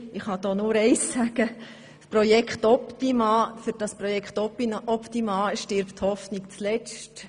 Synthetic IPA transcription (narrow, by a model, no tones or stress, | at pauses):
ɪχhɑd̥̪oːnʊːɾɛɪsːæɡ̥ə | sprɔjɛkχtɔpt̪imɑfʏɾd̥ɑsprɔjɛkχt̪ɔpiɔptimɑːʃtɪɾpthɔfnikt͡slɛt͡st